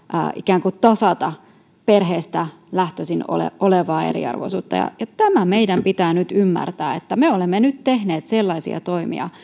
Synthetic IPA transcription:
ʔə̰ʔikæːŋkutt̪ɑsɑt̪ɑ | perɦeːst̪æ | læht̪øsino̰lḛʔoleʋɑːḛrḭɑ̰rʋo̰suːt̪ːɑ̰jɑ̰jɑt̪æmæmeidæmpit̪æːnyt̪ymːæ̰rt̪æːet̪ːæmeolemːenyt̪t̪ehneːt̪selːɑisḭɑ̰t̪oimḭɑ̰

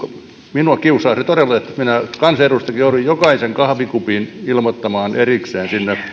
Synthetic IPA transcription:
o | minuɑkiusɑːsnet̪odelːeet̪ːminækɑnserust̪ɑkijouɾuijjokɑiseŋkɑhʋikupinilmot̪ːɑmɑːnerikseːnsinːe

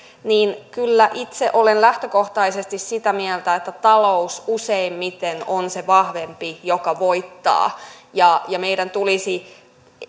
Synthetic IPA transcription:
niːnkylːæʔit̪seʔo̞lenlæht̪øko̞ht̪ɑisest̪issit̪æmiɛlt̪æet̪ːæt̪ɑloususeimmit̪enonseʋɑhʋe̞mpijokɑʋo̞jt̪ːɑ̰ːjɑjɑme̞jdænt̪ulisi

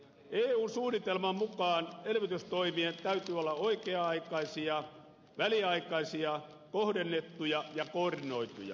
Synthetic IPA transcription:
eːuːnsuːnːit̪elmɑmmukɑːnelʋit̪yst̪oimient̪æyt̪yːolːɑoikeɑɑikɑisiɑ | ʋæliɑikɑisiɑ | kohdenːet̪ːujɑjɑkoːrdinoit̪ṵjɑ̰

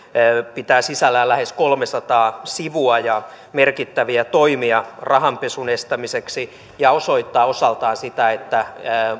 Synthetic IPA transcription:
pit̪æːsisælːæːlæheskolmesɑt̪ɑːsiʋuɑjɑ | merkit̪ːæʋiæt̪oimiɑrɑhɑmpesunest̪æmiseksi | jɑoso̞it̪ːɑːosɑlt̪ɑːnsit̪æet̪ːæ

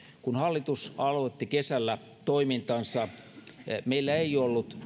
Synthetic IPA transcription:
kunhɑlːit̪usɑlot̪ːikesælːæ | t̪oimint̪ɑnsɑ | meilːæeiolːut̪

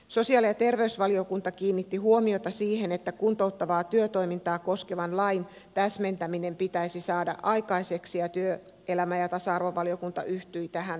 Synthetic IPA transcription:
so̞siɑːlijɑt̪e̞rʋeysʋɑlio̞kunt̪ɑkiːnːit̪ːihuomiot̪ɑsiːhe̞net̪ːækunt̪o̞ut̪ːɑʋɑːt̪yøt̪o̞imint̪ɑːko̞skeʋɑnlɑjn | t̪æsme̞nt̪æmine̞mpit̪æisisɑːdɑ̰ʔɑjkɑiseksijɑt̪yø | elæmæjɑt̪ɑsɑɑrʋoʋɑlio̞kunt̪ɑ̰ʔyht̪yit̪æɦæn

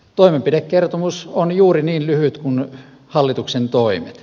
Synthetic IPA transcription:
t̪oˑimempidekkert̪omusonjuːriniːnlyhyt̪kun | hɑlːit̪uksent̪oimḛt̪

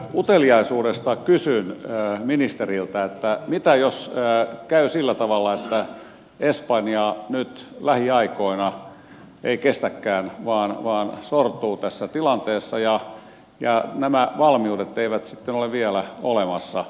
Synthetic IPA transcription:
ut̪eliɑisuːdest̪ɑkysynːminist̪erilt̪æet̪ːæmit̪æjoskæysilːæt̪ɑʋɑlːɑet̪ːæ | espɑnjɑnyt̪læhiɑikoinɑ | eikest̪ækːæːnʋɑːnʋɑːnsort̪uːt̪æsːæt̪ilɑnt̪eːsːɑjɑ | jɑnæmæʋɑlmiudet̪ːeiʋæt̪si̥t̪ːenoleʋʋiælæolemɑsːɑ

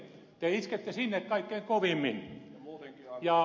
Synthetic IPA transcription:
t̪eisket̪ːesinːekkɑikːeiŋkoʋimːin | jɑˑ

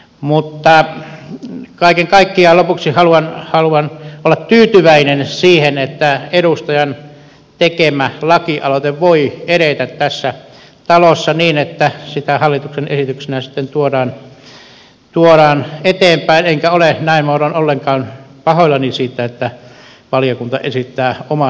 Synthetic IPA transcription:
mut̪ːɑ | kɑˑikeŋkɑikːiɑlopuksihɑluɑnhɑluɑnolːɑtt̪yːt̪yʋæinensiːhenet̪ːæeɾust̪ɑjɑn | t̪ekemælɑkiʔɑ̰lot̪eʋʋoieɾet̪æt̪tæsːæ | t̪ɑlosːɑniːnet̪ːæsit̪æhɑlːit̪uksenḛsit̪yksinæsi̥t̪ːent̪uoɾɑːn | t̪uoɾɑːnet̪eːmpæineŋkæolenæinmouɾonolːeŋkɑːnpɑhoilːɑnisiːt̪ːæet̪ːæ | ʋɑlijokunt̪ɑ̰ʔḛsit̪ːæːomɑ

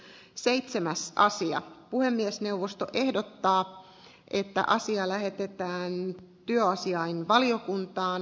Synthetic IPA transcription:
seit̪semæsɑsiɑ̰puhemːiesne̞uʋːost̪oʔe̞hdot̪ːɑː | ʔet̪ːæ̰ʔɑsiɑlæhe̞t̪et̪æːnt̪yøɑsiɑinʋɑliokunt̪ɑːn

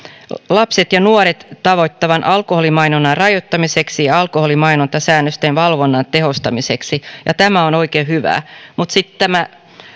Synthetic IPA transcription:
lɑpset̪jɑnuoɾet̪tːɑʋot̪ːɑʋɑnʔɑlkoholimɑinonːɑrɑjot̪ːɑmise̞ksijɑɑlkoholimɑinont̪ɑsæːnːøst̪enʋɑlʋonːɑnt̪eɦost̪ɑmiseksijɑt̪æmæono̞ikeːhyʋæ̰ːmut̪sit̪tæmæ

